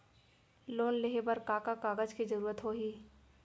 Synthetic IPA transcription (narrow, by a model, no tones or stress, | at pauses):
loːnleɦebəɾkaːkakaːɡəd͡ʒkid͡ʒɐɾuːɾət̪ɦoːɦiː